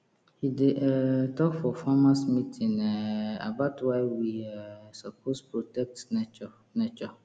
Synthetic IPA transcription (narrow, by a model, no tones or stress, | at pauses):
hidetʰɔkfɔfamãsmĩtʰĩŋɛa̰baʊtʰwaɪwiasapʰospɹotɛk̚tnɔ | nɛt͡ʃɔ